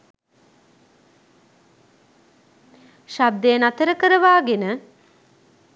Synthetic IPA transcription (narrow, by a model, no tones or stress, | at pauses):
ʃab̚d̪ejənat̪əɾəkəɾəʋaːɡenə